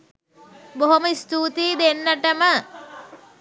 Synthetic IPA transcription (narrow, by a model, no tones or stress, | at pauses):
boɦoməist̪uːt̪iːd̪enːəʈəmə